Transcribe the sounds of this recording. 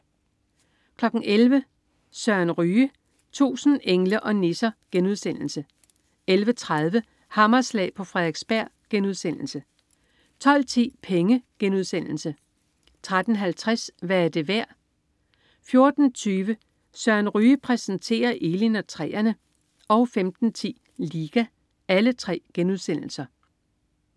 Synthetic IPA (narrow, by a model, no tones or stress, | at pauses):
kʰlɒ̽ɡ̥n̩ʔelʋə | sɶɐnʁyː | t͡sʰṵːsn̩ʔeŋləʔɒ̽ne̝sɐɡ̥enuð̞ˠsen̰l̩sə | elʋət͡sʰʁað̞ˠʋə | hɑ̈mɐslɛ̰ːpʰɒ̽fʁɛðˠeɡ̥sb̥æɐ̰ɡ̥enuðˠsen̰l̩sə | t͡sʰɒ̽l̰t͡sʰḭːpʰeŋəɡ̥enuð̞ˠsen̰l̩sə | t͡sʰʁad̥n̩ɦælt͡sʰʁasʋæːɐd̥e̝ʋæɐ̰ | fjo̝ɐd̥n̩t͡sʰyːʋə | sɶɐ̰nʁyːpʰʁɛsn̩t͡sʰe̝̰ːɐʔe̝ːlinɒt͡sʰʁɛ̰ːɐnə | ɒ̽ʊfemd̥n̩t͡sʰḭː | liːɡ̥æ | ælət͡sʰʁɛ̰ːɡ̥enuðˠsen̰l̩sɐ